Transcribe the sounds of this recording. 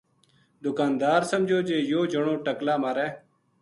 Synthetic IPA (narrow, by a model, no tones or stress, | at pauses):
d̪ʊkaːnd̪aːɾsəmd͡ʒʱoːd͡ʒeːjoːd͡ʒəɳõːʈəklaːmaːɾɛː